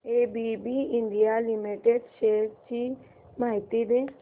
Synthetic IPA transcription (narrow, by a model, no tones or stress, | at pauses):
ebibiɪ̃ɳɖijalimiʈeɖʃet͡ʃi | maːit̪id̪e